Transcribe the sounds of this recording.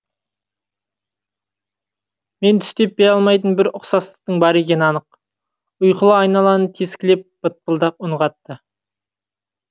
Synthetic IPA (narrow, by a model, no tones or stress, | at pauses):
me̞nt̪ʰʏ̥st̪e̞p̚bejɑlˠmɑjt̪ənbɪɾʊqsɑslˠə̥q̚t̪əɴbɑɾekʲe̞nɑnəq | ʊjqəlˠɑɑjnɑlˠɑnət̪ʰeskʲɪlep̚b̥ət̪̚pəlˠd̪ɑqʊɴʁɑt̪ːə